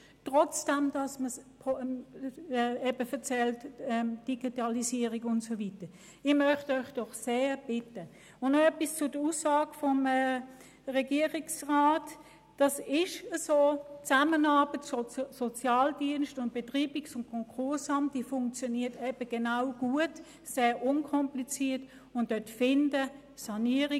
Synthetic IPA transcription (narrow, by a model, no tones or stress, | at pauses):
tʁɔt͡sd̥ɛmd̥ɑsməsp | ɛɛb̥əfəɐt͡sɛltɛmd̥iɡ̥itɑlisiːəʁikʊntsovitə | ɪmœχtɔɪχd̥ɔχseːb̥ɪtə | ʊnnoɛpist͡sʊd̥əuːsːaːɡ̥əfɔmɛ | ʁɛɡiːəʁɪksʁaːt | d̥ɑsɪʃəsoːt͡samənɑːb̥ətsosɔt͡sjɑːldiənʃtʊnt̚b̥etʁiːb̥iksʊnkʰɔŋkʰʊɐsɑmt̚d̥ifʊŋk̚t͡sjɔniːɐtɛb̥əɡ̥enaʊɡ̥uət | seːʔʊnkʰɔmplit͡siːɐt | ʊnd̥œtfɪndə | sɑniəʁi